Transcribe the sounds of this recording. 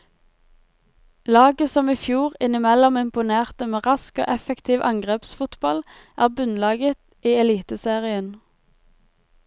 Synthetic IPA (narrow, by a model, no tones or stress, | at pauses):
lɑːɡəsɔmiːfjuːʁɪnɪmɛlɔmɪmpʊneːʁt̪əmeːʁɑsko̰ːʔɛfəkt̪ʰiːʋʔɑ̰ŋɡʁeːpsfʊt̪bɑl | ʔæːʁbʉnlɑːɡət̪ | ʔiːɛliːt̪əseːʁɪən